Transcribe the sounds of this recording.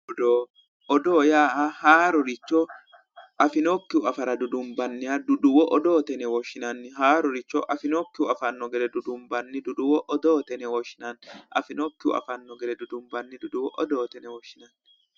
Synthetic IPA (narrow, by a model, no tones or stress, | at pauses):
ɔd̪oː | ʔɔd̪oːjaːʔahaːɾɔɾɪt͡ʃːɔ | ʔɐfɪnokːɪʊɐfɐɾɐd̪ʊd̪ʊmbɐnːɪɐd̪ʊd̪ʊwɔʔɔd̪o̞ːt̪ɛnɛwɔʃɪnɐnːɪɦaːɾɔɾɪt͡ʃːɔʔɐfɪnokːɪʊɐfɐnːɔɡɛɾɛd̪ʊd̪ʊmbɐnːɪd̪ʊd̪ʊwɔʔɔd̪oːt̪ɛnɛwɔʃːɪnɐnːʔɐ̰fɪnɔkːɪʊ̰ɐ̰fɐnːɔɡɛɾɛd̪ʊd̪ʊmbɐnːɪd̪ʊd̪ʊwɔʔɔd̪o̞ːt̪ɛnɛwɔʃːɪnɐnː